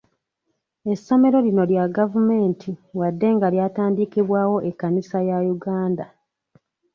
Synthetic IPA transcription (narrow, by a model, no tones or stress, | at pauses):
e̞sːo̞me̞ɾo̞lino̞ljaɡavume̞ːntʰiwadːe̞ŋɡaljaːtaːndikiβwaːwo̞ʔekːanisajajuɡaːnda